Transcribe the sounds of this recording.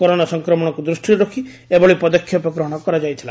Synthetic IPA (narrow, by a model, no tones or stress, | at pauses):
kɔɾoɽ̃asɔŋkɾɔmɔɽ̃ɔkud̪ɾusʈiɾɔkʰi | ebɔɭipɔd̪ɔkʰːjɔpɔkɾɔɦɔɽ̃ɔkɔɾad͡ʒajt̪ʰila